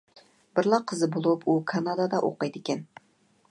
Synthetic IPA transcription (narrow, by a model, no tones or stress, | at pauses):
b̥ɪɾlˠɑqʰəzɨbolˠupʰukʰɑnɑd̪ɑd̪ɑʔo̰qɑjd̪ɪkʲɛn